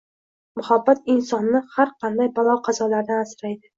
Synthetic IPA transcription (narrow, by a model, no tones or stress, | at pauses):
mʊhabːat̪ɪnsɒnːɪhaɾqʰɑnd̪ajbɒlˠɒqʰɑzɒlaɾd̪anasɾajd̪ɪ